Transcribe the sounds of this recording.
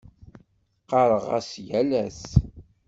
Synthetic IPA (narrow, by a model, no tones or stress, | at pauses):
qɑɾˤəʁæ̰sjælæθ